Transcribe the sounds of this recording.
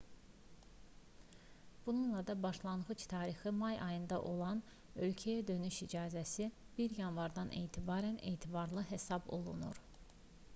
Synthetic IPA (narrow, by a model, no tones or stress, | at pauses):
b̥ununlˠɑd̪ɑbɑʃlˠɑnʁɯt͡ʃt̪ʰɑːɾixɯmɑjʔɑjɯnd̪ɑ̰ʔo̞̰lˠɑn | ø̞lcʰæjæd̪ø̞nyʃid͡ʒɑːzæsi | b̥iɾjɑnvɑɾd̪ɑnʔe̞jt̪ʰibɑːɾæne̞ːt̪ʰibɑɾlˠɯɦesɑbo̞̰lˠṵnṵɾ